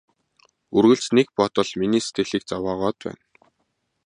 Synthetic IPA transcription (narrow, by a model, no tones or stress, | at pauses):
urɣɘ̆ɬt͡snek̚pɔt̪ɞ̆ɮminiːset̪ʰĕɮiːk̚t͡sawaːʁɔːt̪pæ̰ːn